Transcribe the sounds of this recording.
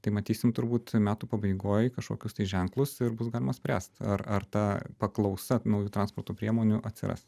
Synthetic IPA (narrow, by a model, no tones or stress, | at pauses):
t̪ɐɪmɐt̪ʲiːsʲɪmt̪ʊɾbuːt̪mʲæːt̪uːpɐbɐɪɡoːjkɐʃkoːkʲʊst̪ɐɪʒʲɛŋklˠʊsɪɾbʊs̬ɡɑːlʲɪmɐsʲpʲɾʲæ̰ːst̪ɐ̰ɾɐrt̪ɑːpɐklˠɐʊsɐnɐʊjuːt̪ɾɑnspoːrt̪oːpʲɾʲiɛmoːnʲʊʔɐt̪ʲsʲɪ̰ɾɐ̰s